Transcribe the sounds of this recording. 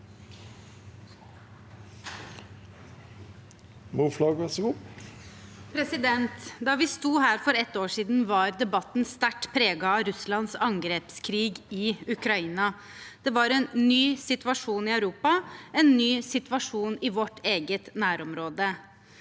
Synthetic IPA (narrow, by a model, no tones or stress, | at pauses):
muflɑːɡʋɛsɡuː | pʰɾɛsɪd̪ɛnt̪d̪ɑʋɪst̪uːhæːɾfɔɾɛt̪ːoːʂiːd̪n̩ʋɑɾd̪ɛbɑt̪nst̪æʈːpʰɾeːɡɑːɾʉslɑnsɑŋɡɾɛpskʰɾiːɡɪʉkɾɑiːnɑ | d̪̥ɛʋɑɾɛnːyːsɪt̪ʋɑʂuːnɪœʉɾuːpɑɛnːyːsɪt̪ʋɑʂuːnɪʋɔʈːeːɡət̪næːɾɔmɾoːd̪ə